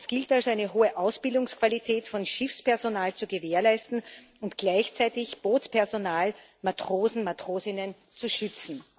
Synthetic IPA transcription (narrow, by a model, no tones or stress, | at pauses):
sɡ̥ɪltalzoaɪnəɦoːəʔaʊsb̥ɪldʊŋskv̥alitʰɛːtfɔnʃɪfspɛɐzonaːlt͡suɡəveːɐlaɪstn̩ | ʊntɡ̥laɪçt͡sæɪtɪçb̥oːtspʰɛɐzonaːl | matʁ̥oːzn̩matʁ̥oːzɪnən | t͡suʃʏt͡sn̩